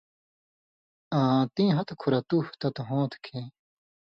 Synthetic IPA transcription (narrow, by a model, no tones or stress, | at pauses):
ãːt̪ĩːɦɐt̪kʰuɾɐt̪uht̪ɐt̪uɦõːt̪kʰẽː